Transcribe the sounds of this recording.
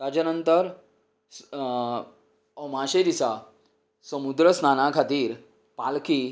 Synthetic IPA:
tad͡ʑanənt̪əɾ | s | əmãɕed̪isa | səmud̪ɾəsnanakʰat̪iːɾ | palki

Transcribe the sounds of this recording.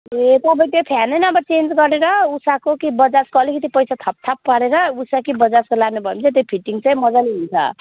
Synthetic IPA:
et̪ʌbʱʌj̃t̪epʰjanejnʌmbʌrt͡send͡zɡʌɾeɾʌusakokibʌd͡zaskoʌlikʌt̪̬ipʌjsat̪ʰʌp̚t̪ʰapːaɾeɾʌusakibʌd͡zaskolaɡnebʱʌemt͡sʰãt̪ojpʰiʈːiŋt͡saĩmʌd͡zaneɦunt͡sʰʌ̰

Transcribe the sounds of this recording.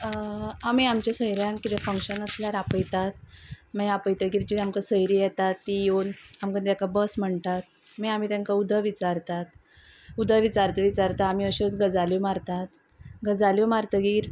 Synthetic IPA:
amiːamt͡ɕasəjɾjãnkit̪efəŋkɕənəsljaɾapəjt̪at̪̚mɛjapəjt̪əɡiːɾd͡ʑiamkasəjɾijɛt̪at̪ːijonamkə̃nt̪jakabəsm̤əɳt̪at̪̚ | mɛam̤iːt̪jaŋkaud̪ʱəʋit͡saɾt̪at̪ | ud̪ʱəʋit͡saɾt̪əʋit͡ɕaɾt̪aːmiːəɕot͡sɡəd͡zalumaɾt̪at̪ | ɡəd͡zaljimaɾt̪əɡiːɾ

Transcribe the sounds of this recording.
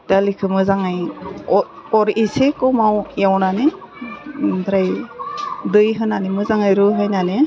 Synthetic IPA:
talikʰɯmɯzaŋɯj | ɔɾisekɔmawewnane | dɾaj | dɯjɦɯnanemɯzaŋɯjɾɯɦɯjnane

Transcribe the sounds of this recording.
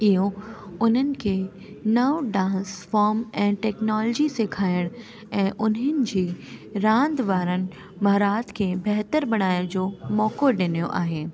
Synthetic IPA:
ɪɦoʊnənɪ̆kʰe | nɐʋɖãːnsfɔːɾmɛ̃ːʈɛːknɔːlːd͡ʑisekʰaːjəɽ̃ | ɛ̃ːʔʊnɦənɪ̆d͡ʑiːɾãːnd̪ʋaːɾənɪ̆ | mɐɦɾaːt̪kʰebɛɦt̪əɾbɐɽ̃aːjəɽ̃d͡ʑoːmɔːkoɖɪnijoʔa̰ːɦeː

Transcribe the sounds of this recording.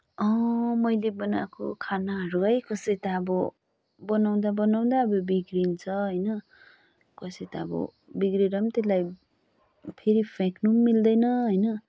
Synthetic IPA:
ʌmʌjlebʌna̰ko̰kʰanaɦʌɾuɦʌjkʌsʌjt̪aːbʌ | bʌnaw̃d̪abʌnaw̃nd̪aːbʌbiɡɾint͡sʰʌɦʌjnʌ | kʌsʌjt̪aːbʌ̰ | biɡɾiɾʌmt̪elaj | pʰeɾipʰeknummːild̪ʌjnʌɦʌjnʌ

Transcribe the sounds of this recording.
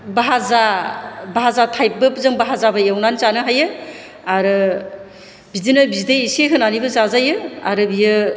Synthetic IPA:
baɦazabaɦazatʰajp̚bɯpzɯŋbaɦazabɐjawnant͡ʃanɯɦajɯ | aɾɯ | bidinɯbideiseɦɯnanibɯzazajɯa̰ɾɯbijɯ

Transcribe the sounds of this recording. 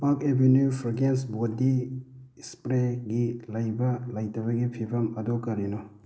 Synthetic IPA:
pakebenjupʰɾaɡensbodi | spɾeɡilɐjbɐlɐjtɐβɐɡipʰibɐmɐdokɐɾino

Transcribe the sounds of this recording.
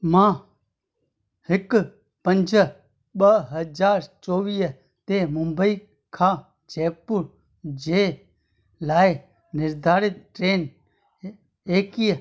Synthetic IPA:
mãː | hɪk | pənd͡ʒə | ɓəɦəd͡ʒaːɾt͡ʃoːʋiː | t̪eːmʊmbəiː | kʰãː | d͡ʒeːpːuɾ | d͡ʒeː | laːe | nɪɾd̪ʱaːɾɪt̪̚ʈɾeːn | eːkij

